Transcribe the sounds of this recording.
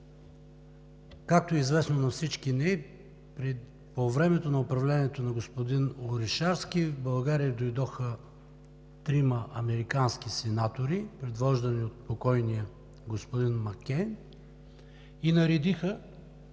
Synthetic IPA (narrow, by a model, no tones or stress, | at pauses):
kak̚t̪oɛizvɛsnonɐfsit͡ʃkinɛ | pɾi | povɾɛmɛt̪onɐopɾɐvlɛniɛt̪onɐɡospod̪inolˠɾɛʃaɾskʲibɐlˠɡaɾiəd̪ojd̪ɔxə | t̪ɾimɐʔɐmɛɾikanskisɛnat̪oɾipɾɛd̪vɔʒd̪ɐniot̪̚pokɔjnijə | ɡospod̪inmɐkʲɛn | inɐɾɛd̪ixə